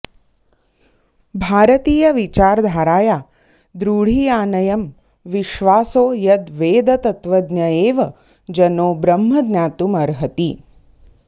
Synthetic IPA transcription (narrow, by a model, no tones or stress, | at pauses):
bʱaːɾɐt̪iːjɐʋit͡ʃaːɾd̪ʱaːɾaːjaː | d̪ɾuːɽ̤iːjaːnɐjɐm | ʋiʃʋaːsoːjɐd̪ʋeːd̪ɐt̪ɐt̪ʋɐd̪njɐeːʋɐ | d͡ʒɐnoːbɾɐmɦɐd̪nʲjaːt̪umɐɾɦɐt̪i